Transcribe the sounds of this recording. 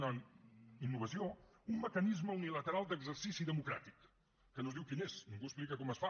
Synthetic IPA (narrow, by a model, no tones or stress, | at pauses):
naninːuβəsioumːəkənizməunilət̪əɾalˠd̪əɡzərsisiðəmukɾa̰t̪ikː | ənozðiwkineznĩŋɡuəsplikəkɔməsfa